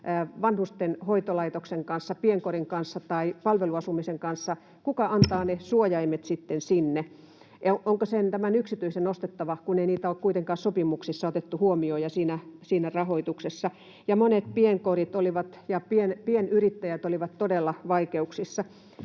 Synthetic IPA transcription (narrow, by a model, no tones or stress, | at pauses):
ʋɑnhust̪enhoit̪olɑit̪okseŋkɑnsːɑpieŋkoriŋkɑnsːɑt̪ɑipɑlʋeluɑsumiseŋkɑnsːɑ | kukɑʔɑnt̪ɑːnesuojɑimet̪sit̪ːensinːe | ʔoʔoŋkosent̪æmænyksit̪yisenost̪et̪ːɑʋɑkuneiniːt̪æoːkkuit̪eŋkɑːssopimuksisːɑot̪et̪ːuhuomiojɑsiːnæsiːnærɑhoit̪uksesːɑ | jɑmonet̪pieŋkorit̪oliʋɑt̪jɑpienpienyrit̪ːæjæt̪oliʋɑt̪t̪odelːɑʋɑikeuksisːɑ